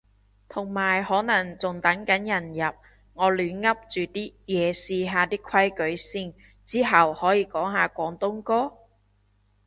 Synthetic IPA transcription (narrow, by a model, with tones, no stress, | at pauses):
t̪ʰʊ˨˩ŋmaː˨˩jhɔː˨˥nɐ˨˩ŋt͡sʊ˨˩ŋt̪ɐ˨˥ŋkɐ˨˥njɐ˨˩njɐ˨p̚ | ŋɔː˨˧lyː˨˧nŋɐ˥p̚t͡ʃyː˨t̪iː˥jɛː˨˧siː˧ɦaː˨˧t̪iː˥kʷʰɐ˥jkɵ˨˥ɥsi˥ŋ | t͡siː˥ɦɐ˨whɔː˨˥jiː˨˧kɔː˨˥ŋɦaː˨kʷɔː˨˥ŋt̪ʊ˥ŋkɔː˥